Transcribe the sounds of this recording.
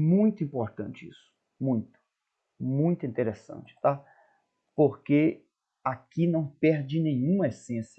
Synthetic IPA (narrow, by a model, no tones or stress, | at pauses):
mũj̃t̪ʊĩpoɾt̪ɐ̰̃nt͡ʃɪḭsʊ̥ | mũj̃t̪ʊ̥ | mũj̃t̪ʊĩnt̪eɾesɐ̰̃nt͡ʃɪ̥t̪a | poɾke | akinɐ̃w̃pɛɾd͡ʒɪnẽɲũmɐesẽsjɐ